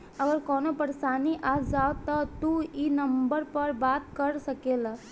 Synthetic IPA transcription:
əɡəɾkɔːnopəɾsaːniʔad͡ʒawt̪ɔt̪uinəmbəɾpəɾbat̪kəɾsəkela

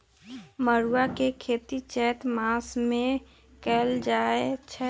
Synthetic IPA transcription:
məɾuwakekʰeːt̪it͡ʃɛːt̪maːsmẽ | kɛld͡ʒaːet͡ʃʰɛ

